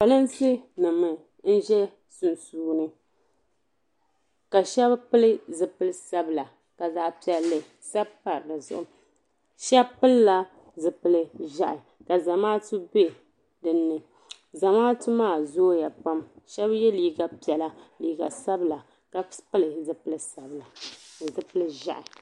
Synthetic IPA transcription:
ba˨lɨ˦nsɨ˦nɨ˨mɨ˨ | n̩˦ʒɛ˦ | su˨nsuː˦˨nɨ˦ | ka˨ʃɛ˦bpɨ˦lɨ˦zɨ˨pɨ˦lɨ˦sa˦bɨ˨la˨ | ka˨zaː˦pi˨˦ɛ˨lːɨ˨ | sa˦bpa˨ɾla˨zʊ̰˨ʔʊ˨ | ʃɛ˦bpɨ˦lla˨ | zɨ˨pɨ˨lɨ˦ʒa˨ʔɪ˨ | ka˨za˨maː˦tɨ˦be˦ | dɨ˨nːɨ˨ | za˨maː˦tu˦maː˦˨zoː˦ja˨pa˦mʃɛ˦bjɛ˦liː˨ɡa˨pi˨ɛ˨la˦liː˨ɡa˨sa˦bla˨ | ka˨pɨ˦lɨ˨zɨ˨pɨ˦lɨ˦sa˨bla˨zɨ˨pɨ˦lɨ˦ʒa̰˦˨ʔɪ˨

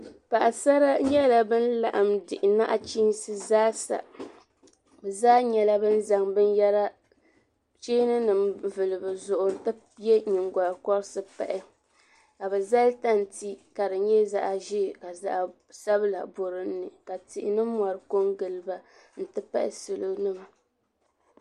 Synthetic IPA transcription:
pa˨ʔa˨sa˦ɾa˦ɲɛ˦la˨bɨ˦n˦la̰˦˨ʔmdɪ˨ʔɪ˨na˦ʔa˨t͡ʃi˦nsɨ˦zaː˦sa̰˨ | bɛ˨zaː˦ɲɛ˦la˦bɨ˦n̩˦za˨ŋbɨ˦nja˦ɾa˦ | t͡ʃeː˦nɨ˦nɨ˨mvɨ˨lɨ˨bɨ˨zʊ˨ʔʊ˨n̩˦tɨ˦ | jɛ˦ɲi˨ŋɡa˨ɾkɔ˦ɾsɨ˦pɛ̰˨ʔɪ˦ | ka˨bɛ˨za˦lta˦n˨ti˦ka˨dɨ˨ɲɛ˦za̰˦ʔa˨ʒi˦˨ka˨za˦ʔ | sa˦bɨ˦la̰˨bo˨ɾɨ˦nː˦ɨ˨ka˨ti˨ʔɪ˨nɨ˦mɔ˨ɾɨ˦ko˦ŋɡɨ˨lɨ˨ba˨ | n̩˦tɨ˦pa̰˦ʔɪ̰˨sɨ˨lo˦nɨ˦ma˨

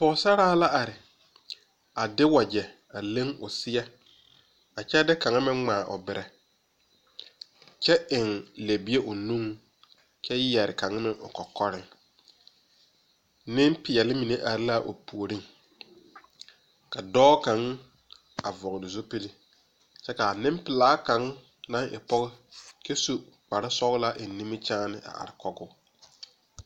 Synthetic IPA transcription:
pɔː˨˦sa˦ɾaː˦la˦ʔa˨ɾɪ˨ | a˨dɪ˦wa˨d͡ʒɛ˨ | a˨le˦ŋʊ̰˨sɪ˦jɛ˦ | a˨t͡ʃɛ˦dɪ˦ka˨ŋa˦mɪ˦ŋ͡maː˨ʔʊ̰˨bɪ˨ɾʔɛ˨ | t͡ʃɛ˦ɪ˨ŋle˨bi˦e˦ʔʊ˨nũ˦ŋ | t͡ʃɛ˦jjɛ˨ɾɪ̰˨ka˨ŋa˦mɪ˦ʔʊ̰˨kɔ˨kɔ˦ɾɪ˦ŋ | nɪ˦mpɪ˨jɛ˨lɪ˦mi˨ne˦ʔa˨ɾɪ˦la˦ʔo̰˨pu˨o˨ɾɪ˦ŋ | ka˨dɔː˦ka˨˦ŋ | a˨vɔ˨ɣɪ˨dɪ˨zo˦pi˦li˦ | t͡ʃɛ˦ka˨a˨nɪ̃˦m˦pɪ˨laː˦ka˨˦ŋ˦ | nã˦ŋɪ̰˨pɔ˦ɣɪ˦t͡ʃɛ˦su˦k͡pa˨ɾa˦sɔ˦ɣla˦ʔɪ˨˦ni˦mɪ˦t͡ʃaː˦nɪ˨ʔa̰˨ʔa̰˨ɾɪ˨kɔ˦ɡʊ˦

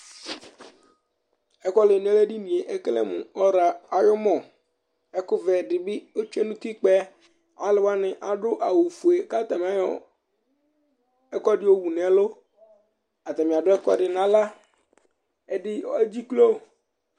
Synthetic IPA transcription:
ɛ˦kɔ˦le˨n˨˦ɛ˦le˦ɖi˦nĩ˨e˨ʔɛ˦klɛ̰˦mʊ̃˨ɔ˦ɾa˨a˨jɔ˦mɔ̃˨ | ɛ˦kʊ˦vɛ˨ɖɪ˨bɪ˦o˦t͡ʃe˦nũ˦t̪i˦k͡pɛ˦ | a˦lɪ˨wa˦nɪ̃˨ʔa˨ɖʊ˦ʔa˨wu˨fu˨e˨ka˦t̪a˨m˨a˦jɔ̰˨ | ɛ˦kɔ˦ɖɪ˨˦o˦wu˨n˨ɛ˨lo˦ | a˨t̪a˨mɪ̃˨a˨dʊ˦ɛ˦kɔ̰˦ɖɪ˨nã˦la˦ | ɛ˨dɪ˦e˦d͡ʑi˦klo˦˨

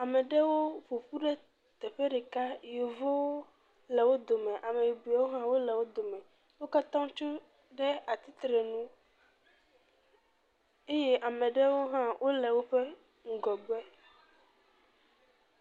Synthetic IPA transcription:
a˨mɛ̃˨ɖɛ˦wo˦vo˨ɸu˦ɖɛ˦ | t̪ɛ˨ɸɛ˦ɖɛ˨ka˦jo˨vo˦wo˦ | lɛ˨wo˦d̪o˨mɛ̃˨ʔa˨mẽ˨ji˨bu˨a˨wo˦ɦã˦wo˦lɛ˨wo˦d̪o˨mɛ̃˨ | wo˦ka˦t̪ɔ̃˦t͡ʃu˦ | ɖɛ˦a˨t̪i˦t̪ɾɛ˨nũ˦ | e˦je˦ʔa˨mɛ̃˨ɖɛ˦wo˦ɦã˦wʔo˦lɛ˨wo˦ɸɛ˦ | ŋ̩˨ɡɔ˨bɛ˦

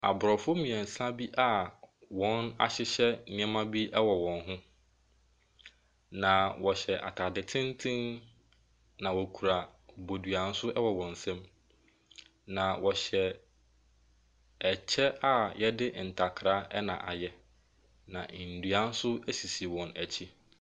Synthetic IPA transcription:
a̰˨bʊ˨ɾɔ˨fʊ˦mĩ˨ɛ̃˨n̩˨sã˦bi˦ʔa˨wɔ̃˨˦na̰˨ɕɪ˦ɕɛ˦nɪ̃˦ɛ˦mã˦bi˦ʔɛ˦wɔ˨wɔ̃˨nɦʊ̃˦ | nã˨wɔ˨ɕɛ˨ʔa̰˨tʰa˨dɪ˨tʰɪ̃˦n˦tʰɪ̃˦n | nã˨wɔ˨kʰu˨ɾa˨bo˨dɥa˨n̩˦sʊ˦ʔɛ˦wɔ˨wɔ̃˨n̩˨sɛ̃˦m | nã˨wɔ˨ɕɛ˨ | ɛ˨t͡ɕʰɛ˦a˦jɛ˦dɪ˦n̩˨tʰa˨kʰɾa˦ʔɛ˦nã̰˨ʔa̰˨jɛ˦ | nã̰˨n̩˨dɥa˨˦n̩˦sʊ˦æ˦si˨si˨wɔ̃˨næ˨t͡ɕʰi˦

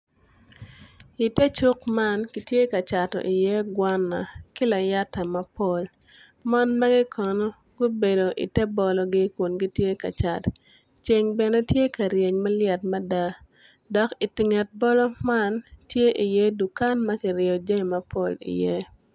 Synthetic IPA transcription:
i˨tɛ˦t͡ʃu˦kma˦nki˨tje˦ka˨t͡ʃa˨tɔ̰˨ʔi˨je˦ɡwa˦nːa̰˨kɪ˦la˨ja˦ta˨mɐ˨po˦l | ma˦nma˦ɡi˦kʰɔ˨nɔ˦ | ɡʊ˦be˨do˨ʔḭ˨tɛ˦bɔ˨lɔ˦ɡɪ˦ku˨nɡi˦tje˦ka̰˨t͡ʃa˨t | t͡ʃe˨ŋbɛ˨nɛ˦tje˦ka˨ɾje˨ɲma˦ljɛ˨tma˦da˦ | dɔ˨ki˨tɪ˨ŋɛ˨t̚bɔ˦lɔ˦ma˦ntje˦ʔi˨je˦du˨ka˦nmɐ˦kɪ˨ɾɪ˨ɔ˨d͡ʒe˦˨mɐ˦po˦lḭ˨je˦

